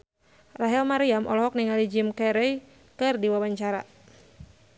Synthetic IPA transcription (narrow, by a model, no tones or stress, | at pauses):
raɦɛlmaɾiamʔɔ̰lɔɦɔk̚niŋalid͡ʒimkɛɾɛj | kɨrdiwawaɲt͡ʃaɾa̰